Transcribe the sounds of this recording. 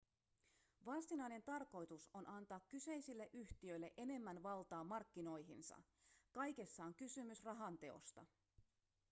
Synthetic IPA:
ʋɑst̪inɑjne̞nt̪ɑrko̞jt̪uso̞nʔɑnt̪ɑːkːyse̞jsilːe̞ʔyçt̪iø̞jlːe̞̰ʔe̞ne̞mːænʋɑlt̪ɑːmɑrkːino̞jɦinsɑ̰ | kɑjke̞sːɑːŋkysymysrɑɦɑnt̪e̞o̞̰st̪ɑ̰

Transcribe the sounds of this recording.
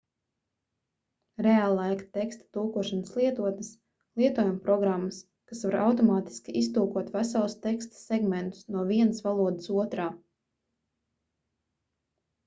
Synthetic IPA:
ɾealˠːajkt̪ɛkst̪ḁt̪uːkuɔʃanslˠiɛt̪uɔt̪nəs | lˠiɛt̪uɔjumpɾɔɡɾamːas | kasvaɾawt̪ɔmaːt̪i̥skʲiist̪uːkuɔt̪væsalˠst̪ekst̪ḁsɛɡmẽnt̪u̥snuɔviɛnəsvalˠuɔd̪əsuɔt̪ɾaː

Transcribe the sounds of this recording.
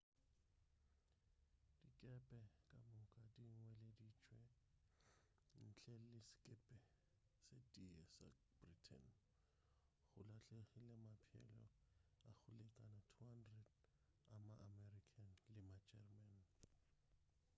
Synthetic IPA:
d̥ikʼɛpʼɛkʼamʊkʼadiŋ̩wɛledit͡ʃʼwɛ | n̩t͡ɬʰʼɛlɪsɪ̥kʼɛpʼɛ | setʼiɛsa̰ | b̥ritʰɛ̰n | ɣʊlat͡ɬʼeɣɪlɪmapʰɛ̰lɔ̰ak͡xʰʊlɛkʼanatʰuhandrɛd | amaʔamɛrikʰanlɪmad͡ʒɛrman

